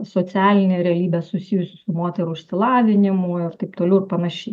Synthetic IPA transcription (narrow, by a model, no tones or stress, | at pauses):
soːt͡s̪ʲæːlʲɪnʲeːɾʲɛɐlʲiːbʲɛsʊsʲiːjʊsʲʊsʊmoːt̪ʲɛɾʊɪʃʲsʲɪlˠɑːʋʲɪnʲɪmʊɪrt̪ɐɪpt̪oːlʲɛʊɪrpɐnɐʃʲɛɪ